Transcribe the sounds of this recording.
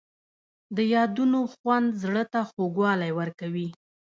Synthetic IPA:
d̪əjɑd̪unoxwand̪zɽət̪axoɡwɑlajwəɾkawi

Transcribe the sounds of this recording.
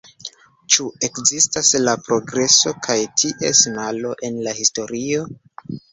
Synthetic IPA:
t͡ʃue̞kzistaslapɾo̞ɡɾe̞so̞kʰajtʰiʔe̞snalo̞ʔe̞nlahisto̞ɾio̞

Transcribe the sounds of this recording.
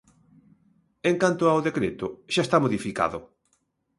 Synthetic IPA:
eŋkant̪ʊawðekɾet̪ʊʃaest̪amoðifika̰ðʊ

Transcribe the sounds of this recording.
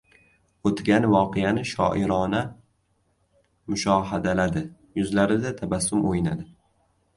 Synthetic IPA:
ot̪ɡʲanvɒqʰejanɪʃɒ̰ːʔɪɾɒna | mʊʃɒːɦad̪alad̪ɪ | jʊzlaɾɪd̪at̪ʰabasːʊmʔojɪna̰d̪ɪ

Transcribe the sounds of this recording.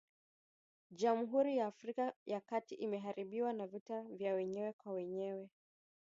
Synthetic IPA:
ʄamuɦuɾijaːfɾikajakatiʔimɛɦaɾiɓiwanavitavjawɛɲɛwɛkwawɛɲɛwɛ

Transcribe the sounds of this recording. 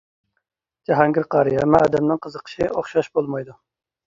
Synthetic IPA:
d͡ʒɛɦɑŋɡʲɪɾqʰɑɾijɛmɛɑːd̪ɛmnɪŋqʰəzəqʰə̥ʃioχʃɑʃbolˠmɑjd̪u

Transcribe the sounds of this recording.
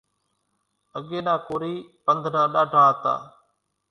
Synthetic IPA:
əɠeːnãːkoːɾiːpənd̪ʱnãːɗaːɖʱaːət̪a̰ː

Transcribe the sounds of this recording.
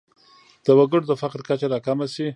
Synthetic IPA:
d̪̥əwaɡəɽd̪əfaqɾkat͡ʃaɾɑkamasi

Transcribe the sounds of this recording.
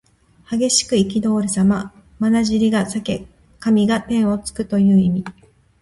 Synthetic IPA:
haɡe̞ɕi̥kɯ̟ik̬ʲid̪o̞ːɾʲɯsama | manaʑiɾʲiɡasake̞ | kamʲiɡat̪ẽ̞ɰ̃o̞t͡sɨ̥kɯ̟t̪o̞jɯ̟ːimʲi

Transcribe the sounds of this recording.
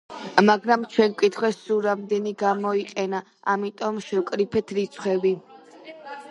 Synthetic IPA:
maɡɾamt͡ʃʰwɛnkʼit̪ʰχwɛsuɾamd̪ɛniɡamɔiqʼɛna | amit̪ʼɔmʃɛwkʼɾipʰɛt̪ʰɾit̪sʰχwɛvi

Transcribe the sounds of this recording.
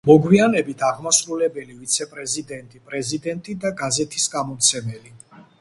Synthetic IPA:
mɔɡwianɛbit̪ʰaʁmasɾulɛbɛlivit̪sʰɛpʼɾɛzid̪ɛnt̪ʼipʼɾɛzid̪ɛnt̪ʼid̪aɡazɛt̪ʰisɡamɔt̪sʰɛmɛli

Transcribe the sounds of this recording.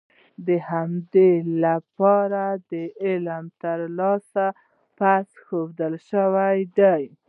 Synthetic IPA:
d̪əhamd̪elapɑɾad̪əɪlmt̪əɾlɑsa | pasxowd̪əlʃəwajd̪aj

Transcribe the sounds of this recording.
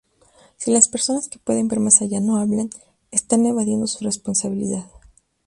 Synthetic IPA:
silaspe̞ɾso̞naske̞pwe̞ðe̞mbe̞ɾmasaʝano̞aβlan | est̪ane̞βaðje̞nd̪o̞sure̞spo̞nsaβilḭðað

